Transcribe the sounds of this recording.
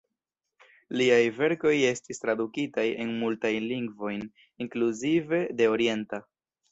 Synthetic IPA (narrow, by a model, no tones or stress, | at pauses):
liajve̞ɾko̞je̞stistɾadukitaje̞nmultajnliŋɡvo̞jn | iŋkluzive̞de̞o̞ɾie̞nta